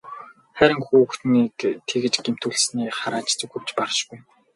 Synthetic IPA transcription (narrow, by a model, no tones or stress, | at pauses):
χæɾɪ̆ŋxuːxt̪niːkt̪ʰeɣɘ̆t͡ɕɡem̥t̪uɮsniːχaɾaːt͡ɕt͡sɵxɘ̆pt͡ɕparʃkuj